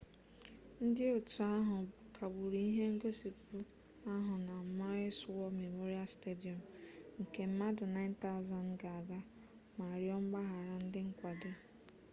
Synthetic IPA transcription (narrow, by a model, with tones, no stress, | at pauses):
n̩˦dɪ˦o˨tu˨a˦ɦʊ˨ | kʰa˨bu˨ɾi˦i˦ɦe˦ŋ̩˦ɡo˦si˨pu˦ | a˦ɦʊ˨na˨ma˦swɔ˦me˨mo˦ɾi˦a˦ste˦di˨ɔ˨mŋ̩˨ke˨m̩˦ma˦dʊ˨na˦ɪ˦n̩˦ta˦ʊ˨za˨n̩˦ɡa˨a˨ɡa˦ | ma˨ɾjɔ˦ŋ͡m̩˦ɡ͡ba˦ɦa˨ɾa˨n̩˦dɪ˦ŋ̩˦kʷa˨do˦